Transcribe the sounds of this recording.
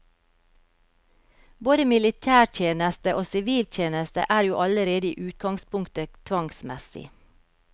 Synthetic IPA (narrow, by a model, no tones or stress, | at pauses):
boːd̪əmɪlɪt̪ʰæːɾt̪ʰjeːnəst̪əʔoːsɪʋiːlt̪ʰjeːnəst̪ə̰ʔæːɾjuːʔɑləɾeːd̪əiːʔʉːt̪ɡɑŋspʊŋkt̪ət̪ʰʋɑŋsmɛsɪ̰